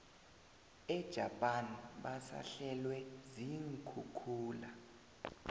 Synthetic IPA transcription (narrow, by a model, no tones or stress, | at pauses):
ɛd̥ʒ̥ʱapʼanɓasa̰ɬɛlwɛziŋ̩kʰukʰuːla